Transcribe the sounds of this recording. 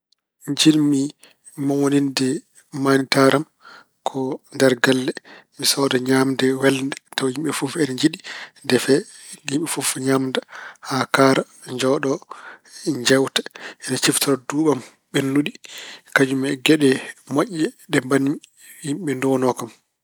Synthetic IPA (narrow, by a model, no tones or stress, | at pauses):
ɲd͡ʒilmi | mawonindɛ | manitaɾam | kʰɔndɛɾɡalːɛmisɔdɔɲaːmdɛwɛlndɛtawhimɓɛfufɛnɲd͡ʒiɗindɛfɛ | ɡimɓɛfufɲaːmdahakaːɾa | ɲd͡ʒɔɗɔ | ɲd͡ʒɛwtḁʔɛnat͡ʃiftɔɾɔduɓam | ɓɛnːuɗikad͡ʒumɛɡɛɗɛmaʔːɛɗɛmbani | himɓɛndɔnɔkam